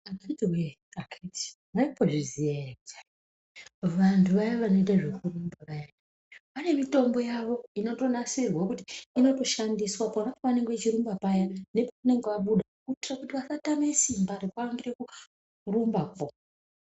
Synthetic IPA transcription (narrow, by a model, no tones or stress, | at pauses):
akatiwe | akati̥ | maipo̞ʐizijarekut͡ʃa | ʋantʰuʋajaʋano̞iɗaʐekurumbaʋaja | pane̞mito̞mbo̞jaʋo̞ino̞to̞nasirwakutiino̞to̞ʃandiswaponapoʋane̞ŋɡeet͡ʃiɾumbapajane̞pokune̞ŋɡeʋaɓuɗa | kutirakutiʋasatame̞simbaɾekaaŋɡiɾeku | rumbapo